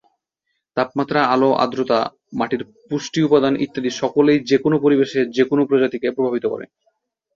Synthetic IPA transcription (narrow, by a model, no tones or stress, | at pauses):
t̪ap̚mat̪ːɾaaloʔa̰d̪ɾot̪a̰ | maʈiɾ | puʃʈiupad̪anḭt̪ːad̪iʃɔkolejd͡ʑekonopoɾibeʃed͡ʑekonopɾod͡ʑat̪ikepɾobʱabit̪okɔ̰ɾḛ